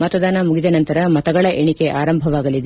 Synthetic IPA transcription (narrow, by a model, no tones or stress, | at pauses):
mɐt̪ɐd̪aːnɐmuɡid̪ɐnɐnt̪ɐɾɐmɐt̪ɐɡɐɭɐʔeɳike̞ʔaːɾɐmbʱɐʋaːɡɐlid̪e